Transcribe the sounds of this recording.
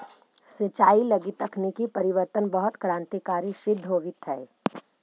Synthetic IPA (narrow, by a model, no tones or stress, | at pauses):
sɪt͡ʃaːilɐɡit̪əkʰnikipɐɾɪʋəɾt̪ənbɐɦʊt̪kɾãːnt̪ikaːɾiʃɪd̪ʱːɦoːʋɪt̪ɦɛː